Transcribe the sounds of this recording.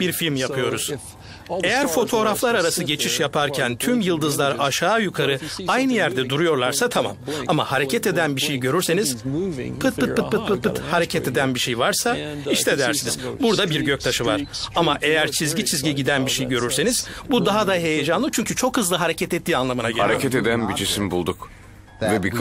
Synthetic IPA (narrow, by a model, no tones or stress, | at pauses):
b̥iɾfilʲmjapʰɯjo̞ɾuz̥ | e̞jæɾfo̞t̪ʰo̞ːɾaflˠaɾaɾasɯɟe̞t͡ʃʰiʃjapʰaɾcʰænt̪ʰymjɯlˠd̪ɯzlˠaɾaʃaːjukʰaɾɯajnɯjæɾd̪ɛd̪uɾujo̞ɾlˠaɾsat̪ʰama̰mamahaɾe̞cʰɛt̪e̞d̪ænbiʃejɟø̞ɾyɾse̞niz̥pʰɯt̪̚pʰɯt̪̚ʰt̪̚pɯt̪̚pʰɯt̪̚pɯt̪haɾe̞cʰɛt̪e̞d̪ænbiʃejvaɾsaiʃt̪ʰɛd̪æɾsiniz̥buɾd̪abiɾɟø̞c̚t̪ʰaʃɯvaɾ̥amaʔe̞jæɾt͡ʃʰizɟit͡ʃʰizɟiɟid̪ænbiʃejɟø̞ɾyɾse̞niz̥bud̪aɦad̪aɦe̞jed͡ʒanˠɯt͡ʃʰyɲcʰyt͡ʃʰo̞khɯzlˠɯɦaɾe̞cʰɛt̪ɛt̪ːiːanlˠamɯnaɟøhaɾecʰɛt̪ed̪ænbid͡ʒisimbulˠd̪uk | vɛbikʰ